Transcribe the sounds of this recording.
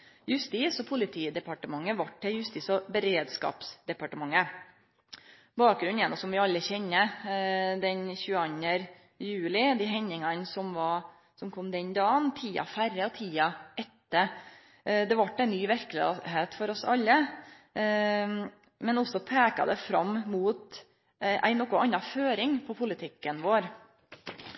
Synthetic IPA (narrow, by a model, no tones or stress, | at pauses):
jʉst̪iːsɔpʰʊlɪt̪ʰiːd̪ɛpɑʈəmɑŋːəʋɑʈːɛjʉst̪iːsɔbəɾeːd̪skɑ̰ːpsd̪ɛpɑʈəmɑŋːə | bɑːk̚ɡɾʉnjɛnːɔsɔmʋɪɑlːəçɛnːə | d̪ɛnçʉːɑnːəɾ | jʉːlɪd̪ɪɦɛɲːɪŋɑnsɔmʋɑɾ | sɔmkʰɔmd̪ɛnd̪ɑːnt̪ʰiːɑ̰fæɾːəɔt̪ʰiːɑɛt̪ːə | d̪ɛʋɑʈːæɪnyːʋæɾkəlɪɦeːt̪fɔɾɔsɑlːə | mɛnɔsːɔpʰeːkɑ̰d̪ɛfɾɑ̰mːmuːt̪ | ʔæ̰ɪnɔkːʊʔɑnːɑføːɾɪŋpʰɔpʰʊlɪt̪ʰɪkːənʋoːɾ